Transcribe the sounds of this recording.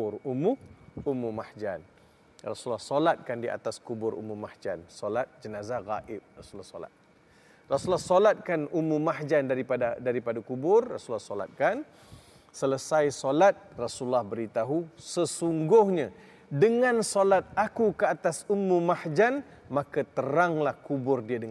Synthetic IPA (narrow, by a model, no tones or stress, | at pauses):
rumuumũmahd͡ʒan | ra̰sulahsolat̪̚kandia̰t̪askubʊɾṵmumahd͡ʒa̰nsolat̪̚d͡ʒənazaɣaʔɪp̚rasulahso̰la̰t̪̚ | rasulɔhsolat̪̚kanumũmahd͡ʒandaɾipadadaɾipadakubʊrːa̰sulahsola̰t̪̚kan | sələsajsolat̪̚rasulahbəɾit̪aɦusəsuŋɡʊhɲa | dəŋãnsolat̪̚akukəat̪asumːũmahd͡ʒan | makat̪əɾaŋlahkubʊrdiadəŋ